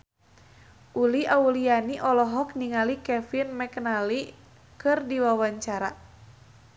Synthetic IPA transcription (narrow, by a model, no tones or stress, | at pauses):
ʔuliʔaulianiʔɔlɔɦɔkniŋalikɛfinmɛknali | kɨrdiwawaɲt͡ʃaɾa